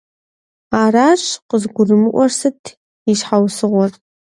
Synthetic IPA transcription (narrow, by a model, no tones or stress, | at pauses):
aːɾaːɕqəzɡʷʊrɨmɨʔʷɔrsɨtʰ | iʃħawsɨʁʷɔr